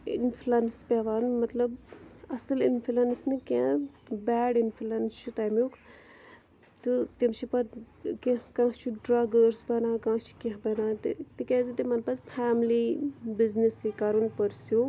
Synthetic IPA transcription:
ḭnfʰluɐnspʲaʋaːnmɐt̪lɐbɐsɨlinfʰulɐnsnɨkʲẽbæːɖinfʰulɐnst͡ʃʰut̪aːjmjuk | t̪ɨt̪imt͡ʃʰipɐ | kekãːt͡ʃʰuɖɾaːɡəɾsbɐnaːkãːt͡ʃʰi̥kẽɦbɐnaːt̪t̪ikẽzit̪imɐnpɐspʰaːmlibiznisikaːɾunpəɾsju

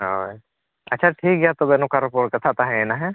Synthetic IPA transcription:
ɦo | ɐ̰tːʃʰaʈʰiːkɡɛjat̪obenõkaɾɪpoːɾʈ̚kat̪ʰat̪aɦɛ̃enaɦɛ

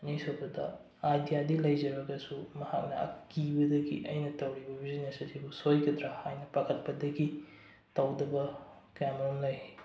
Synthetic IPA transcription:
nijsobɐdɐ̰ | ajdijadilɐjd͡ʒɐɾbɐɡɐsumɐha̰k̚nɐ̰ɐ̰kibɐdɐɡḭʔɐjnɐtɐwɾibɐbʱizinesɐtʰibusojkɐdɾahajnɐpɐkʰɐt̚pɐdɐɡi | tɐwdɐbɐ | kamɾomlɐj

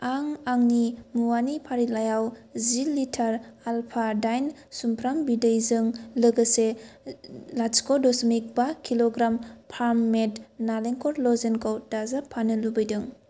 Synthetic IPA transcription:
aŋaŋnimuwanipʰaɾilajawzilitʰaɾalpʰadajn | sumpʰɾambidəjzɯŋlɯɡəse | laskɔdɔsmik̚bakiloɡɾampʰaɾmmːetnaleŋkɔɾlɔzenkʰawdazapʰanɯlubɐjdɯŋ

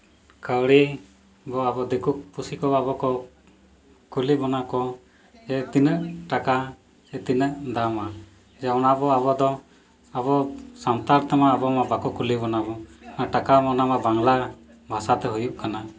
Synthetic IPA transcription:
kəwɽi | bɔabɔd̪ikuk̚pusikɔbabɔkɔ | kulibɔnakɔ | sɛt̪inəʔʈaka | sɛt̪inəʔd̪ama | d͡ʒawnabɔabɔd̪ɔ | abɔsant̪aɾt̪ɛmaːbɔmabakɔkulibɔnabɔnaʈakamɔnamabaŋla | bʱasat̪ɛɦujuʔkana

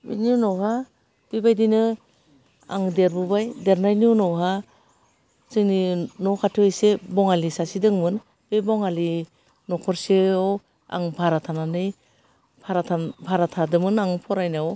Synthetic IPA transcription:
bḭninɔwɦa | b̥ibajdinɯ | a̰ŋdeɾbubajdeɾnajniuwnɔwɦa | sɯŋninɔkʰatʰɯwjsebɔŋalisasidɯŋmɯn | b̥ebɔŋali | nɔkʰɔɾseɔw | a̰ŋbʱaɾatʰananɯj | bʰaɾatʰabʱaɾatʰadɯmɯnaŋpʰɔɾajnaɔ

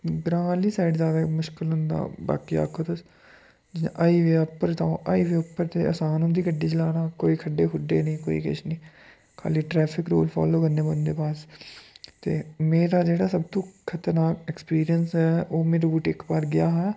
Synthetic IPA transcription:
bɾaːliːsaːiɖzjaːd̪aːmʊʃkɪlɦʊnd̪a̰ːba̰ːkiːa̰ːkʰoːd̪əs | d͡ʒɪʔaːiːʋeːəpːəɾt̪ãʔaːiːʋeːʊpːəɾt̪eːʔəsãːnɦʊ̃nd̪iːkəɖːiːd͡ʒəlaːnaːkoːiːkʰəɖeːɦʊɖeːnĩːkoːḭːkɪ̰t͡ʃnĩː | kʰa̰ːliːʈɾɛːpʰɪkɾo̰ːlpʰa̰ːloːkəɾneːbənd̪eːpaːs | t̪eːmeːɾaːd͡ʒeːɽaːsəb̚t̪õːkʰət̪əɾnaːɛkspiːɾijənsɛːoːmeːɾbuːʈɪkpaːɾɡɪjaːɦɛː

